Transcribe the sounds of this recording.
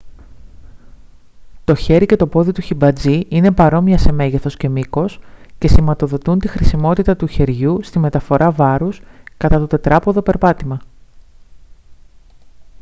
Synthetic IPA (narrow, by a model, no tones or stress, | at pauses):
t̪o̞çe̞ɾice̞t̪o̞po̞ðit̪uçibɐd͡ziine̞pɐɾo̞miɐse̞me̞ʝeθo̞sce̞miko̞sce̞simɐt̪o̞ðo̞t̪unt̪ixɾisimo̞t̪it̪ɐt̪uçe̞ɾʝust̪ime̞t̪ɐfo̞ɾɐvɐɾuskɐt̪ɐt̪o̞t̪e̞t̪ɾɐpo̞ðo̞pe̞ɾpɐt̪imɐ